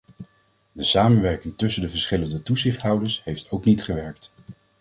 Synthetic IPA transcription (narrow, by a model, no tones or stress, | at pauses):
dəsaːmənʋɛɹkɪŋtɵsəndəvəɹsχɪləndətuzɪχtɦɑwdəɹsɦejftowknitχəʋɛɹk̚t